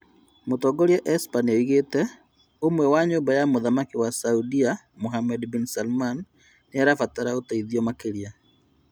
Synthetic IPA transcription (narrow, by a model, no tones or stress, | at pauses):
motɔɡɔɾiɛʔɛspanoiɣetɛ | omwɛwaɲoːmbajamoðamakiwasaudia | moɦamɛdbinsalman | neaɾafataɾaotaiðiɔmakeɾia